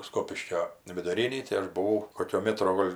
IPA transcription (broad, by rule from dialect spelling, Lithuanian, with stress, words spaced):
ˈskoːpʲɪʃʲkʲoː ʋʲɪdʊˈrʲɪnʲiː tɐɪ ˈɐʃ bʊˈʋɐʊ ˈkoːkʲoː ˈmʲæːtroː ˈɡoːlʲ